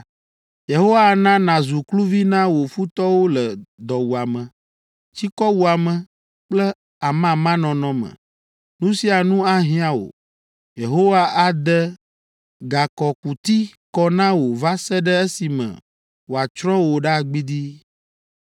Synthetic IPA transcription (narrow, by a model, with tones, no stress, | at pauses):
je˨ɦo˦wa˦nã˦nã˨zu˨klu˦vi˦nã˦wo˨fu˦t̪ɔ˦wo˦lə˨d̪ɔ˨wu˨a˨mə̃˨ | t͡ɕi˦kɔ˦wu˨a˨mə̃˨ | k͡plɛ˦ | a˨mã˦mã˦nɔ̃˨nɔ̃˦mə̰˨ | nũ˦si˦a˨nũ˦a˦ɦĩ˦a˦wo̰˨ | je˨ɦo˦wa˦ʔa˨d̪ɛ˦ | ɡa˨kɔ˨ku˨t̪i˦kɔ˦nã˦wo˨va˦sɛ˦ɖɛ˦e˦si˨mɛ̰̃˨ | wo˨a˨t͡ʃɾɔ̃˦wo˨ɖa˦˨ɡ͡bi˦d̪i˦